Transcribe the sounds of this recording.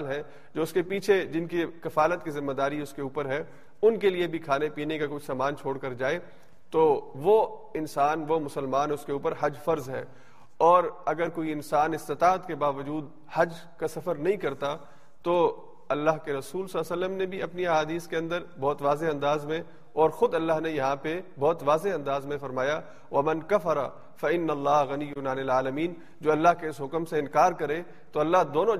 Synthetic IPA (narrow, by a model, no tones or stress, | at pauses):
lɦɛ̃ | d͡ʒoːʊskepiːt͡ʃʰed͡ʒɪnkikɐfaːlət̪̚kizɪmːed̪aːɾiʊskeuːpəɾɦɛ | ʊnkeliebʱikʰaːnepiːnekakʊt͡ʃʰsaːmaːnt͡ʃʰoːɽkɐɾd͡ʒaːe | t̪oʋo | ɪnsaːnʋomʊsəlmaːnʊskeuːpəɾɦɐd͡ʒfɐɾzɦɛ̰ː | ɔːɾɐɡəɾkoːiɪnsaːnɪst̪ɪt̪aːət̪kebaːʋəd͡ʒuːd̪ | hɐd͡ʒ | kasɐfəɾnɐɦĩkɐɾt̪a | t̪o | ɐlːaɦkeɾɐsuːlsɐlːasəlːəmnebʱiɐpniaːɦaːd̪iːskeɐ̃nd̪əɾbɔːt̪ʋaːzeɐ̃nd̪aːzmẽ | ɔːɾxʊd̪ɐlːaɦnejɐɦãpebɔːt̪ʋaːzeɐ̃nd̪aːzmẽfɐɾmaːja | ʋɐmɐnkɐfɐɾa̰ | fɐɪnːɐlːaːɦɣɐnijːʊnanɪlaːlɐmiːn | d͡ʒoːɐlːaɦkeɪsɦʊkəmseɪ̃nkaːɾkɐɾe | t̪oɐlːaɦd̪oːnõ